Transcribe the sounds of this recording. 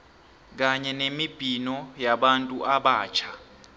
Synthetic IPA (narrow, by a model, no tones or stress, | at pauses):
k̬aɲɛnemib̥ʱinɔjaɓantʼuʔaɓaːt͡ʃʰa